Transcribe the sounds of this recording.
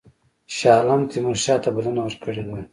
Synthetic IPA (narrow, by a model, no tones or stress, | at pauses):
ʃɑːlamt̪imuʃɑːt̪abɐlanawəɾkəɽed̪a